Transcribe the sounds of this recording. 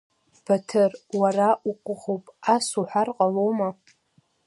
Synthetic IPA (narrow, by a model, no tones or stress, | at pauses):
b̥atʰɨrwaraʔuqʷʼʊʁowpʼasuħʷarqʼalowma